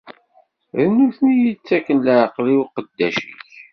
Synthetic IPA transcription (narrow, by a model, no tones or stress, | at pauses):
ðənːuθnijit͡sːækːənləʕqliwqəd̪ːæʃḭç